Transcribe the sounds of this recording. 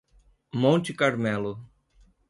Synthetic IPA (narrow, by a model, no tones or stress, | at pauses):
mõnt͡ʃɪkaɾmɛlʊ